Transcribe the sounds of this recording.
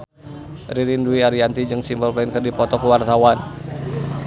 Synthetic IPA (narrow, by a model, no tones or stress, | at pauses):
riɾinduiaɾiant̪id͡ʒɨŋsimbəlpainkərdipɔt̪ɔkuwart̪awan